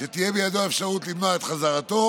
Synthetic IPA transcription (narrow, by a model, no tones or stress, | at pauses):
ʃet̪ijebejad̪o̞aefʃaʁut̪limnoaet̪χazaʁat̪o̞